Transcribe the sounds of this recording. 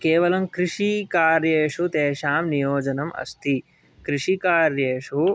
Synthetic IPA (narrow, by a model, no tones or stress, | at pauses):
keːʋɐlɐmkɾiʂikaːɾjeːʂut̪eːʃaːmnijoːd͡ʒɐnɐmɐ̰st̪ʰi | kɾiʂikaːɾjeːʂu